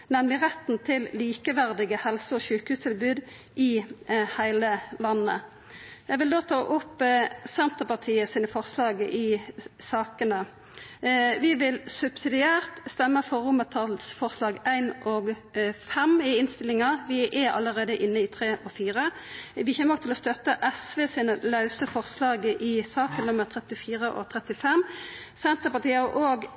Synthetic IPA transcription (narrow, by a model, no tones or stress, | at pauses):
nɛmlɪʁɛt̪n̩t̪ʰɪlliːkəʋæʁd̪ɪɡəhɛlsəɔɕʉːkhʉːst̪ʰɪlbʉːd̪ | ʔɪhæɪləlɑnːə | jæɪɡʋɪld̪oːt̪ʰɑːʔʊpsɛnt̪əʁpɑʁt̪ʰiːəsiːnəfɔʁslɑːɡəʔɪsɑːkənə | ʋɪʋɪlsʉb̥sɪd̪ɪæːʁt̪st̪ɛmːəfɔʁʊmət̪ʰɑlsfɔʁslɑːɡæɪnʔɔɡ | fɛmɪɪnst̪ɪlɪŋɑʋɪʔɛɑ̰lːəʁeːd̪əʔɪnːəɪt̪ʰʁeːʔɔfiːʁəʋɪçɛːməɔɡt̪ʰɪlɔst̪œt̪ːəʔɛsʋeːsiːnəlɑʉsəfɔʁslɑːɡəʔɪsɑːkənnʊmːəʁt̪ʰʁɛt̪ɪfiːʁəʔɔ̰t̪ʰʁɛt̪ɪfɛm | sɛnt̪əʁpɑʁt̪ʰiːəɑʁʔoːɡ